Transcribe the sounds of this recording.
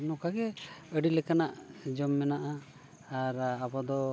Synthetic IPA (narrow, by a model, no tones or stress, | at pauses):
nɔkaɡɛəɖilɛkanaʔd͡ʒɔmːɛnaʔaː | ɾabɔd̪ɔ